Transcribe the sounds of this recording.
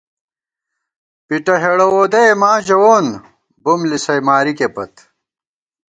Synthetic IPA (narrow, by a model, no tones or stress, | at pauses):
piʈɐɦeɽɐwoːd̪ɐjmaːʑɐwoːn | bumlisɐjmaːɾikepɐt̪